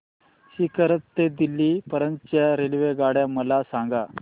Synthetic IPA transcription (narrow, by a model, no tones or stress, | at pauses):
ɕiːkəɾət͡st̪ːed̪ilːiːpəɾənt̪ət͡ɕjaɾelʋeɡaɽjaməlasãŋɡa